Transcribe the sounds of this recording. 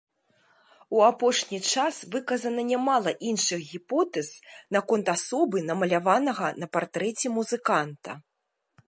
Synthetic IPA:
uapɔʂnʲit͡ʂasvɨkɐzɐnɐnʲamalˠɐʔinʂɨɣɣʲipɔt̪ɛz̥nakɔnt̪asɔbɨnɐmɐlʲavanɐɣɐnɐpart̪ɾɛt͡sʲɛmuzɨkant̪ɐ̰

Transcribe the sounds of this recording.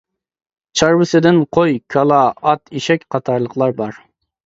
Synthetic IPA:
t͡ʃʰɑɾwɨsɪd̪ɪnqʰojkʰɑlˠɑɑt̪ʰiʃɛkʲqʰɑt̪ʰɑɾlˠəqlˠɑɾbɑɾ

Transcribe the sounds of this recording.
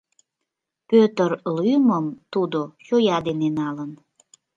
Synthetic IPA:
pøt̪ərlyjməmt̪ud̪oʃojɑd̪enenɑlən

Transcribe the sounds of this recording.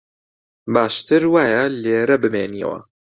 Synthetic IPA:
baːʃt̪ɨɾwaːjɐleːɾɐbɨmeːniɛ̰wɐ̰

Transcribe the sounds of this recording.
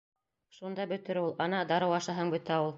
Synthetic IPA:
ʃund̪ɑbɵ̆t̪ɘ̆ɾulˠɑnɑd̪ɑɾɤwɑʃɑɦɤɴbɵ̆t̪æulˠ

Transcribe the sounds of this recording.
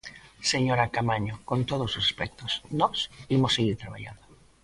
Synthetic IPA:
seɲoɾakamaɲokont̪oð̞ososḁspɛk̚t̪osnɔsimosːeɣiɾt̪ɾaβ̞a̰ʎa̰nd̪o

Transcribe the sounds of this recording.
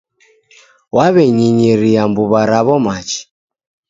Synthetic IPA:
waβɛɲiɲiɾiambuβaɾaβɔmat͡ʃi̥

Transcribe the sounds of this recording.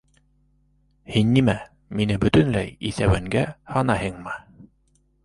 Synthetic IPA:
hinːimæ | minɘbɵ̆t̪ɵ̆nlæjiθæwæŋɡæhɑnɑɦɤɴmɤ

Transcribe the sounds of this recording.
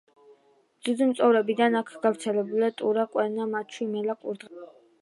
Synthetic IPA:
z̥uzimt̪sʼɔvɾɛbid̪anakʰɡ̥avɾt̪sʰɛlɛbulat̪ʼuɾaqʼwɛɾnamat͡ʃʰwimɛlakʼuɾd̪ʁa

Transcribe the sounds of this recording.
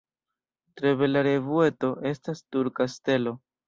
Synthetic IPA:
tɾe̞βe̞laɾe̞vue̞to̞ʔe̞stastuɾkaste̞lo̞

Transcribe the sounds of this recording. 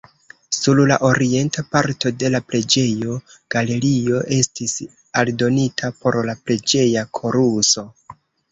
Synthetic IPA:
suɾlaʔo̞ɾie̞ntapaɾto̞de̞lapɾe̞d͡ʒe̞jo̞ɡ̥ale̞ɾio̞ʔe̞stis | aldo̞nitʰapo̞ɾlapɾe̞d͡ʒe̞jakʰo̞ɾuso̞

